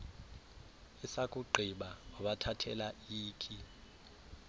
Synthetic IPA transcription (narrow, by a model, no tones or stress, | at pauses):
ɛsakʼuɡ͡ǃʱiɓaɔɓatʰatʰɛlaiːkʰʼi